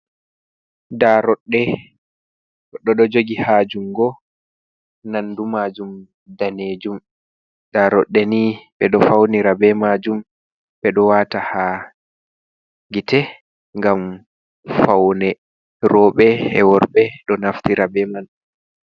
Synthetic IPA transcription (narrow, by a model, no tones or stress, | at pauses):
daɾɔɗːɛ | ɗɔɗɔd͡ʒoɡihad͡ʒumɡɔ | nandumad͡ʒum | daneːd͡ʒum | daɾɔɗːɛniɓɛɗɔfawniɾabɛmad͡ʒum | ɓɛɗɔwaːtaha | ɡitɛ | ŋɡam | fawnɛ | rɔɓɛɛ̰wɔɾbɛɗɔnaftiɾabɛman